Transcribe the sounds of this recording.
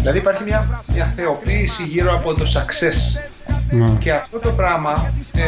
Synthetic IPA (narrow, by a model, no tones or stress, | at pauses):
ðilɐðipɐɾçimɲɐmɲɐθe̞o̞piːsiʝiɾo̞ɐpo̞t̪o̞sɐkse̞s | nce̞ɐft̪o̞t̪o̞pɾɐmɐ